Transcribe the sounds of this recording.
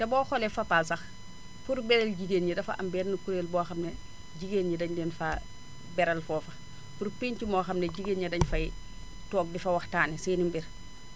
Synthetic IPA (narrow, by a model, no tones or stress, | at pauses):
tɛbɔːxɔlɛfɐpaːsɐx | puɾbɛɾɛlɟiɡeːnɲidɐfa̰ɐ̰mbɛːnnukuɾeːlbɔːxɐmne | ɟiɡenɲidɐɲdɛnfa | bɛɾɐlfɔːfɐx | puɾpeɲt͡ʃimɔːxɐmneɟiɡenɲɐdɐɲfɐj | tɔːɡ̚difɐwɐxtaːniseːnimbiɾ